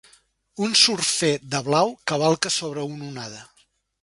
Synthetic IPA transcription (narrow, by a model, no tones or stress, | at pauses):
unsuɾfed̪əβlawkəβ̞alˠkəsoβ̞ɾəununað̞ə